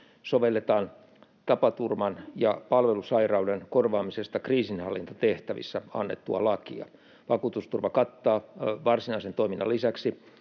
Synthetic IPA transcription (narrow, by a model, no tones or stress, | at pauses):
soʋelːet̪ɑːn | t̪ɑpɑt̪urmɑnjɑpɑlʋelusɑirɑudenkorʋɑːmisest̪ɑkriːsinhɑlːint̪ɑt̪eht̪æʋḭsːæɑ̰nːḛt̪ːuɑ̰lɑkḭɑ̰ | ʋɑkuːt̪ust̪urʋɑkɑt̪ːɑːʋɑrsinɑisent̪oiminːɑ̰lisæksi